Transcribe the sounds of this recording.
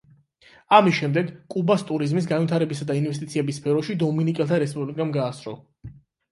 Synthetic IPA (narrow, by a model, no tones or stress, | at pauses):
amisʃɛmd̪ɛɡkʼubast̪ʼuɾizmis̬ɡanvit̪ʰaɾɛbisad̪ainvɛst̪ʼit̪sʰiɛbisːpʰɛɾɔʃid̪ɔminikʼɛlˠt̪ʰaɾɛspʼublikʼamɡaːsɾɔ̰